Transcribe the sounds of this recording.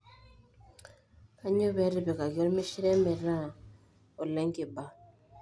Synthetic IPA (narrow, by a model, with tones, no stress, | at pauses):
ka˦ɲo˦βɛ˨˦ɾɪ˨bɛ˨ka˨ɡɔ˦lmi˦ʃi˦ɾɛ˦mɛ˨ɾã˦˨ | o˨lɛ˦ŋkɪ˨ba˨